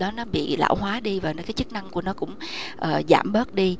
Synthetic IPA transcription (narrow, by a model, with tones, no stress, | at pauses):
ɗɔ˨˦nɔ˨˦ɓḭ˧˨la̰ː˧˩wɦwaː˨˦ɗi˧vaː˨˩nɔ˨˦kaː˨˦jt͡ɕɨ˦˥k̚na˧ŋku˧˩ənɔ˨˦kʊ̰˧˥ŋ͡mʔəː˨˩za̰ː˧˩mɓəː˦˥t̚ɗi˧